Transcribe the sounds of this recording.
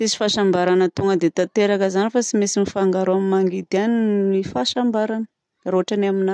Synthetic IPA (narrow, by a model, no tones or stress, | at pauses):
isi̥faʃambaɾanət̪uŋɡəd̪et̪at̪eɾakəzanifat͡simisimifaŋɡaɾoamimaŋɡid̪ianimifaʃambaɾan | roaʈ͡ʂanamina